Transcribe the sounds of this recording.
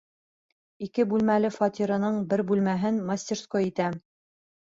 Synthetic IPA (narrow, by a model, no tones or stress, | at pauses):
ikɘbʉlmælɘfɑt̪ʲiɾɤ̆nɤɴbɘɾbʉlmæɦɘnmɐsʲtʲɪrskoit̪æ